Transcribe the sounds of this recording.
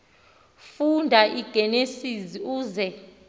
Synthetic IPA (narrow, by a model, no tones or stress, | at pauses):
fundʱaʔiɡ̥ʱɛnesiziuːzɛ